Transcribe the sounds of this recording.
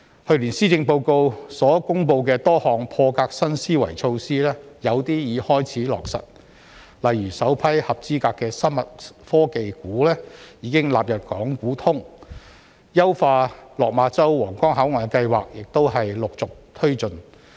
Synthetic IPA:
hɵ˧ɥliː˨˩nsiː˥t͡sɪ˧ŋpo˧wko˧wsɔː˨˥kʊ˥ŋpo˧wkɛː˧t̪ɔː˥hɔː˨ŋpʰɔː˧kaː˧k̚sɐ˥nsiː˥wɐ̰˨˩jt͡ʃʰo˧wsiː˥lɛː˥jɐ˨˧wt̪iː˥jiː˨˧hɔː˥jt͡sʰiː˨˥lɔ̰ː˨k̚sɐ̰˨t̚ | lɐ˨jɥyː˨˩sɐ˨˥wpʰɐ˥jhɐ˨p̚t͡siː˥kaː˧kːɛː˧sɐ˥nmɐ˨t̚fɔː˥ke˨jkuː˨˥lɛː˥jiː˨˥kɪ˥ŋla̰ː˨p̚jɐ˨p̚kɔː˨˥ŋkuː˨˥t̪ʰʊ˥ŋ | jɐ˥wfaː˧lɔː˨k̚maː˨˧˥t͡sɐ˥wwɔː˨˩ŋkɔː˥ŋɦɐ˨˥wŋɔː˨˩jkɐ˧jwa̰ː˨k̚jɪ˨k̚t̪o˥wɦɐ˨jlʊ˨k̚t͡sʊ˨k̚t̪ʰɵ˥ɥt͡sɵ˨n

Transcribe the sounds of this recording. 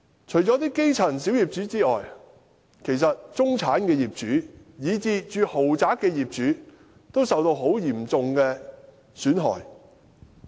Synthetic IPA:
t͡ʃʰɵ˨˩ɥt͡ʃɔ˨˥t̪iː˥ke˥jt͡sʰɐ˨˩nsi˨˥wjiː˨˩p̚t͡ʃyː˨˥t͡siː˥ɔː˨j | kʰe˨˩jsɐ˨t̚t͡sʊ˥ŋt͡sʰaː˨˥nkɛː˧jiː˨p̚t͡ʃyː˨˥jiː˨˧t͡siː˧t͡ʃyː˨ho˨˩wt͡saː˨˥k̚ɛː˧jiː˨p̚t͡ʃyː˨˥ | t̪o˥wsɐ˨wt̪o˧wɦo˨˥wjiː˨˩mt͡sʊ˨ŋkɛː˧ | syː˨˥nɦɔ̰ː˨˩j

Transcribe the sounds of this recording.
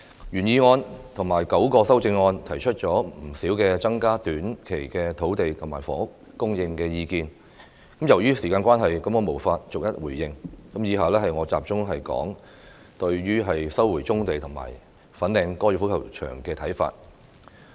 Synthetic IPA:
jyː˨˩njiː˧ŋɔː˧nt̪ʰʊ˨˩ŋmaː˨˩jkɐ˨˥wkɔː˧sɐ˥wt͡sɪ˧ŋːɔː˧nt̪ʰɐ˨˩jt͡ʃʰɵ˥t̚t͡ʃɔː˨˥m̩˨˩siː˨˥wkɛː˧t͡sɐ˥ŋkaː˥t̪yː˨˥nkʰe˨˩jkɛː˧t̪ʰo˨˥wt̪e˨jt̪ʰʊ˨˩ŋmaː˨˩jfɔ̰ː˨˥ʊ˥k̚ | kːʊ˥ŋjɪ˧ŋkɛː˧jiː˧kiː˧n | kɐ˨˥mjɐ˨˩wjyː˥siː˨˩kaː˧nkʷaː˥nɦɐ˨jkɐ˨˥mkɔː˨˧mo˨˩wfaː˧t̚t͡sʊ˨k̚jɐ˥t̚wuː˨˩jːɪ˧ŋkɐ˨˥mjiː˨˧ɦaː˨lɛː˥ɦɐ˨jŋɔː˨˧t͡sa̰ː˨p̚t͡ʃʊ˥ŋɦɐ˨jkɔ̰ː˨˥ŋ | t̪ɵ˧ɥɥyː˥ɦɐ˨jsɐ˥wːuː˨˩jt͡sʊ˥ŋt̪e˨jt̪ʰʊ˨˩ŋma̰ː˨˩j | fɐ˨˥nlɛː˨˧ŋkɔː˥jyː˨˧˩fu˨˥kʰɐ̰˨˩wt͡ʃʰœ̰ː˨˩ŋkɛː˧t̪ʰɐ˨˥jfa̰ː˧t̚

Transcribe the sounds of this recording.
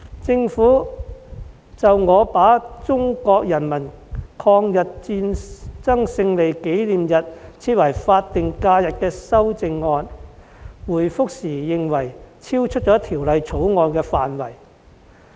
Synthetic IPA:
t͡sɪ˧ŋfuː˨˥ | t͡sɐ˨wŋɔː˨˧paː˨˥t͡sʊ˥ŋkɔː˧k̚jɐ˨˩nmɐ˨˩nkʰɔː˧ŋjɐ˨t̚t͡siː˧nt͡sɐ˥ŋsɪ˧ŋle˨˩jke˨˥jliː˨mjɐ˨t̚t͡sʰiː˧˥t̚wɐ˨˩jfaː˧t̚t̪ɪ˨ŋkaː˧jɐ˨t̚kɛː˧sɐ˥wt͡sɪ˧ŋːɔː˧n | wuː˨˩jfʊ˥k̚siː˨˩jɪ˨ŋwɐ˨˩jt͡sʰiː˥wt͡ʃʰɵ˥t̚t͡ʃɔː˨˥t̪ʰiː˨˩wlɐ˧jt͡sʰo˨˥wŋɔː˧nkɛː˧faː˨nwɐ˨˩j

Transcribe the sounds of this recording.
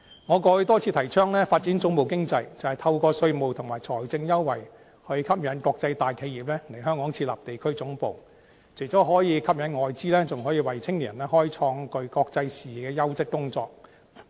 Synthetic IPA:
ŋɔː˨˧kɔː˧hɵ˧t̪ɔː˥t͡sʰiː˧t̪ʰɐ˨˩jt͡ʃʰœː˥ŋlɛː˥faː˧t̚t͡si˨˥nt͡sʊ˨˥ŋmo˨wkɪ˥ŋt͡sɐ˧jt͡sɐ˨whɐ˨˩jt̪ʰɐ˧wkɔː˧sɵ˧ɥmo˨wt̪ʰʊ˨˩ŋmaː˨˩jt͡sʰɔː˨˩jt͡sɪ˧ŋjɐ˥wːɐ˨˩j | hɵ˧kʰɐ˥p̚jɐ˨˥nkɔː˧k̚t͡sɐ˧jt̪aː˨jkʰe˨˧jiː˨p̚lɛː˥le˨˩jɦœː˥ŋkɔː˨˥ŋt͡sʰiː˧t̚la̰ː˨˩pt̪e˨jkʰɵ˥ɥt͡sʊ˨˥ŋpo˨w | t͡sʰe˨˩jt͡sɔː˨˥ɦɔː˨˥jiː˨˧kʰɐ˥p̚jɐ˨˥nŋɔː˨jt͡siː˥lɛː˥t͡sʊ˨ŋɦɔː˨˥jiː˧wɐ˨jt͡sʰɪ˥ŋi˨˩˨ɐ˨˩nɛː˥hɔː˥jt͡sʰɔː˧ŋkɵ˧ɥkɔː˧k̚t͡sɐ˧jsiː˨˩kɛː˧jɐ˥wsɪ˥kːʊ˥ŋt͡sɔ̰ː˧k̚

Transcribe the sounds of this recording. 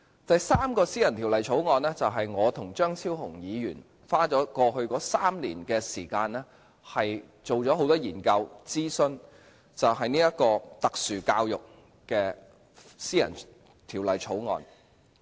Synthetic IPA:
t̪ɐ˨jsaː˥mkɔː˧siː˥jɐ˨˩nt̪ʰi˨˩wlɐ˨jt͡sʰo˨˥wŋɔː˨˧nɛː˥t͡sɐ˨wɦɐ˨jŋɔː˨˧t̪ʰʊ˨˩ŋt͡ʃœː˥ŋt͡sʰiː˥wɦʊ˨˩ŋjiː˨˧jyː˨˩n | faː˥t͡ʃɔː˨˥kɔː˧hɵ˧ɥkɔː˨˥saː˥mlḭ˨˩nkɛː˧siː˨˩kaː˧nɛː˥ | hɐ˨j | t͡so˨˩wt͡ʃɔː˨˥ɦo˨˥wt̪ɔː˥jiː˨˩nkɐ˧wt͡siː˥sɵ˧n | t͡sɐ˨wɦɐ˨jniː˥jɐ˥t̚kɔː˧t̪ɐ˨k̚syː˨kaː˧wjʊ˨k̚ | kɛː˧ | siː˥jɐ̰˨˩n | t̪ʰiː˨˩wlɐ˨jt͡sʰo˨˥wŋɔ̰ː˧n

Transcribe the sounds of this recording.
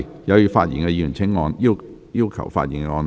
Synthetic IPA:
jɐ˨˧wjyː˨˧faː˧t̚jḭ˨˩nkɛ˧jyː˨˩nt͡sʰɪ˧˥ŋːɔː˧njiː˥w | jiː˥wkʰɐ̰˨˩wfa̰ː˧t̚ji˨˩nkɛ˧ŋɔː˧n

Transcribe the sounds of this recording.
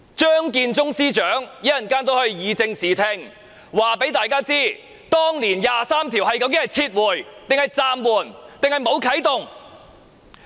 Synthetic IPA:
t͡ʃœː˥ŋkiː˧nt͡sʊ˥ŋsiː˥t͡ʃœː˨˥ŋji˨˥jɐ˨˩nkaː˥nt̪o˧˥hɵ˧ɥjiː˨˧t͡sɪ˧ŋsiː˨˩t̪ʰɪ˧ŋ | waː˨pe˨˥jt̪aː˨jkaː˥t͡siː˥ | t̪ɔː˥ŋliː˨˩njaː˨saː˥mt̪ʰiː˨˩whɐ˨jkɐ˨˧˥wkɪ˨˥hɐ˨jt͡sʰiː˧t̚wuː˨˩jt̪ɪ˨ŋhɐ˨jt͡saː˧mwuː˨˩nt̪ɪ˨ŋhɐ˨jmo˨˧wkʰɐ˨˥jt̪ʊ˨ŋ

